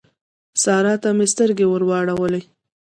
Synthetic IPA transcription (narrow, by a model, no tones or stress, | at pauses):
sɑɾɑt̪amest̪əɾɡewəɾwɑɽawəle